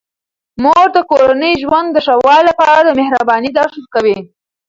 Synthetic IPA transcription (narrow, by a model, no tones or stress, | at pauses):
moɾd̪əkoɾanəjʒwand̪ːəʂawɑllapɑɾad̪əmɪhɾabɑnid̪ɑʃaɾkawi